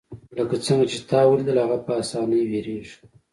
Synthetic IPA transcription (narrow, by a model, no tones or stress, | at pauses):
ləkat͡səŋɡat͡ʃet̪ɑwəled̪əlhaɣapəːsɑnəjweɾeʐi̥